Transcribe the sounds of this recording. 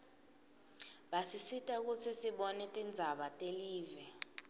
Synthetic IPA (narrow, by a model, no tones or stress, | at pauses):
ɓasisitʼɛk̬ut͡sʰisiɓɔnɛtʼind͡zʱaɓatʼeliːvɛ